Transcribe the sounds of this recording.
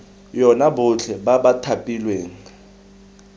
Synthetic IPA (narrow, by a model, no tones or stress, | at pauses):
jɔnabʊt͡ɬʰɛbabatʰapʼilweːŋ̩